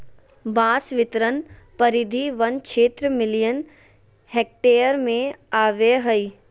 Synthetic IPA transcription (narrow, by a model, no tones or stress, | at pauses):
bãːsʋɪt̪ɾən | pɐɾɪd̪ʱiʋɐnkʃʰeːt̪ɾəmɪlijən | heːk̚ʈeːəɾmẽaːʋeɦəi